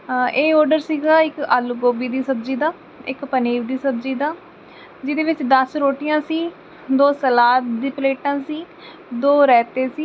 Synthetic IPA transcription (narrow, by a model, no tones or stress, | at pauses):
eːɔːɾɖəɾsiːɡaːɪkəːlɡoːbiːd̪iːsəbd͡ʒiːd̪aː | ɪ̰kpəniːɾd̪iːsəbd͡ʒiːd̪aː | d͡ʒɪd̪eːʋɪt͡ʃd̪əsɾoːʈɪjãːsiː | d̪oːsəlaːt̪d̪iːpleːʈãːsiː | d̪oːɾɛːt̪eːsiː